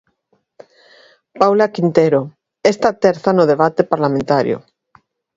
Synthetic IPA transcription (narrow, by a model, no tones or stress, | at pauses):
pawlakint̪eɾo | est̪at̪eɾθanoð̞eβ̞at̪epaɾlamẽnt̪aɾj̰o̰